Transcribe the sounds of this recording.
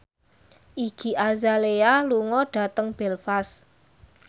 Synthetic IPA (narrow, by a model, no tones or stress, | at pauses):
ʔiɡ̥i̤ʔazalealuŋɔɖ̥a̤t̪əŋb̥ɛlfas